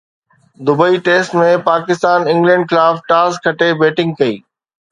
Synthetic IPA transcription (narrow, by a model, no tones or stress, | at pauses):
d̪ʊbəiʈeːsʈmẽpaːkɪst̪aːnɪ̃ŋɡlɛ̃ɳɖxɪlaːfʈaːskʰɐʈebeːʈɪ̃ŋɡ̚kɐḭː